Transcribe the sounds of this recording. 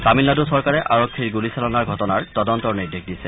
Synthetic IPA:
samilnadusɔɹkaɹɛʔaɹɔkʰːiɹɡulisalɔnaɹɡʱɔtɔnaɹtɔdɔntɔɹnidik̚disɛ

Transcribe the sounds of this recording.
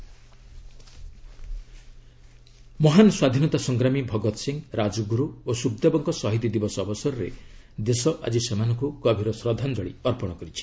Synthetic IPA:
mɔɦanɔswad̪ʱinɔt̪asɔŋɡɾamibʱɔɡɔt̪ɔsiŋɾad͡ʒɔɡuɾuosub̚d̪abɔŋkɔsɔɦit̪̬id̪ibɔsɔɔbɔsɔɾɔɾḛ | d̪esɔʔa̰d͡ʒisemanɔŋkukɔbʱiɾɔsɾɔd̪ʱand͡ʒɔɽḭɔɾpɔɽ̃ɔkɔɾit͡ʃʰi̥

